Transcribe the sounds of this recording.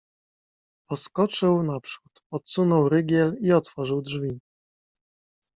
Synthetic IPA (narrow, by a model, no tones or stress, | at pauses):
pɔskɔt͡ʂɘwnapʂut̪ɔt̪sunɔwɾɘɡʲjɛliɔt̪fɔʐɘwdʐvʲi